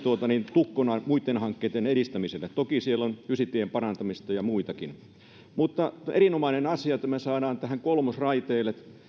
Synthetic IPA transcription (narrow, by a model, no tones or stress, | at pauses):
t̪uot̪ɑnint̪ukːonɑmuit̪ːenhɑŋkːeːt̪ːeneɾist̪æmiselːˑet̪t̪okisielːonysit̪ːiempɑrɑnt̪ɑmist̪ɑjɑmuit̪ɑkin | mut̪ːɑʔerinomɑinenɑsiɑt̪ɑmesɑːɾɑːnt̪æhæŋkolmosrɑit̪eːlet̪